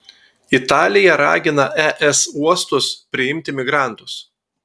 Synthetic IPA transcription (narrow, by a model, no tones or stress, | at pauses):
ɪt̪ɑːlʲɪjɛɾɑ̰ːɡʲɪnɐʔɛʔɛsuɔst̪ʊspʲɾʲɪɪmʲt̪ʲɪmʲɪɡɾɑˑnt̪ʊs